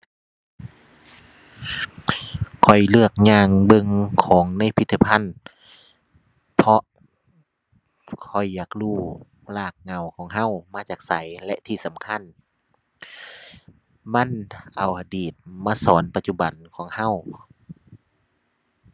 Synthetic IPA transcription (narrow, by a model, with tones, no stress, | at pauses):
kʰɔ˨˩jlɯ˧˩ək̚ɲaː˧˩ŋbɤ˧ŋkʰɔː˨˦ŋna˧˥˨jpʰi˧t̪ʰːa˧˩pʰa˧˥˨n | pʰɔ˧ʔ | kʰɔ˨˩jːaː˨˩k̚luː˧˩ | laː˧˩k̚ŋa˧˩˨wkʰɔː˨˦ŋɦa˧˥˨wmaː˧˥t͡ɕaː˨˩k̚sa˨˦jlɛ˧ʔt̪ʰiː˧˩sa˨˦mkʰa˧˥˨n | ma˧˥˨nʔa˨˩wʔa˧˩diː˨˩t̪̚maː˧˥˨sɔː˨˦npa˧t̪̚t͡ɕu˧˩ba˨˩nkʰɔː˨˦ŋha˧˥˨w